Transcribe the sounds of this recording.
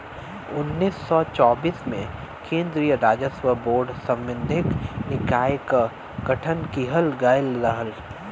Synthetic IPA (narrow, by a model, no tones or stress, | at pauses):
ʊnːiːsːɔt͡ʃɔːbiːsmḛ̃ | kʰẽːnd̪ɾijəɾaːd͡ʒəswəboːɾɖsə̃mːɪnd̪ʱɪknɪkaːjk | ɡ̥ɐʈʰənkiɦəlɡaɪlɾəɦəl